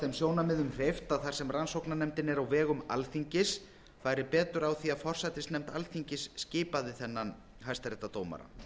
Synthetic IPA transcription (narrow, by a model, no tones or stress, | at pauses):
θɛmsjoːwnamɪðʏmrejft̪aðθaɾ̥sɛmransowknanɛmt̪ɪnɛɾawvɛːɣʏma̰lθiɲcɪs | faːɾɪpɛːt̪ʏɾawθiaðfɔr̥sajt̪ɪsnɛmt̪alθiɲcɪsːcɪːpaðɪθɛnːan | ɦajst̪aɾɛht̪at̪oːwma̰ɾa̰